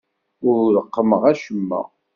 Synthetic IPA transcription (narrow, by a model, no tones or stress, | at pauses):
ʊɾɾəqːəməʁæʃəmːæ̰